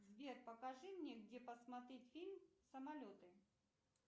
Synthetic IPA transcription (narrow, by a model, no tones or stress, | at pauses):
zvʲerpɐkɐʐɨmnʲeɡdʲepɐsmɐt̪ɾʲetʲfʲilʲmsɐmɐlʲot̪ɨ